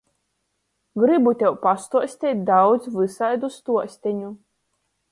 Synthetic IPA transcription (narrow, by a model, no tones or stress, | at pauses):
ɡɾɨbut̪ʲɛwpast̪uɔsʲt̪ʲɛt̪̚ʲd̪awd̪zvɨsajd̪ust̪uɔsʲt̪ʲɛɲu